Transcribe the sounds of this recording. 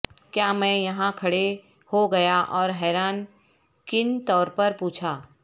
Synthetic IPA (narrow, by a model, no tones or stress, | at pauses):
kjaːmɛ̃jɐɦãkʰɐɽe | hoɡɐjaʔɔːɾɦɛːɾaːn | kɪnt̪ɔːɾpɐɾpuːt͡ʃʰaː